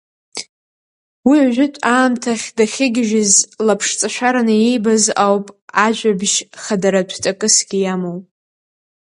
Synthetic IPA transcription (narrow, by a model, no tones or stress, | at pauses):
wiʕʒʷᶣɪtʷʼaːmtʰaχʲdaχʲɪɡʲɪʒᶣɪzlapʰʂt͡sʼaʃʷᶣaɾanɨjejbazawpʼaʒʷabʃχadaɾatʷʰt͡sʼakʼɨsɡ̥ʲijamowpʼ